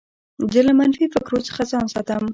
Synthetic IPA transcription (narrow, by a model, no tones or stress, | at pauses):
d͡ʒəlamanfifɪkɾot͡sə̥χazɑnsɑt̪am